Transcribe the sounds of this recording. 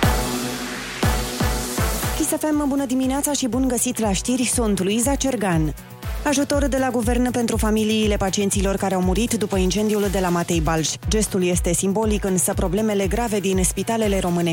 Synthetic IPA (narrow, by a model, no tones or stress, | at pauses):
kʲisafembunəd̪imineat̪saʃibunɡəsit̪laʃt̪irʲsont̪ulujzat͡ʃe̞rɡan | aʒut̪o̞rd̪e̞laɡuve̞rnpe̞nt̪ɾufamiliːle̞pat͡ʃiet̪silo̞rkaɾeawmuɾit̪d̪upəint͡ʃe̞nd̪iuld̪e̞lamat̪e̞jbalʃʲd͡ʒe̞st̪ulje̞st̪e̞simbo̞likɨnsəpɾo̞ble̞me̞le̞ɡɾave̞d̪inspit̪ale̞le̞ɾo̞mɨne̞